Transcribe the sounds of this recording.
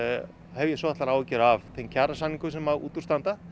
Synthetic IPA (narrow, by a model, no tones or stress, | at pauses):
hɛvjɛsvɔːðɛt̪laɾaːwɛcɛɾavθʰejncʰaɾasanːiŋkʏsɛmawṵːt̪uɾst̪ant̪a